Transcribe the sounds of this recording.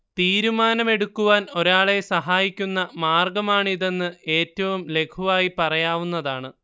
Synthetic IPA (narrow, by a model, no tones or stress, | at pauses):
t̪iːɾumaːnɐme̞ɽukːuʋaːno̞ɾaːɭe̞sɐɦaːjikʲːunːɐmaːrɡɐmaːɳɨiðe̞nːɨe̞ːtːɐʋumle̞kʰuʋaːjipɐrɐjaːʋunːɐðaːɳɨ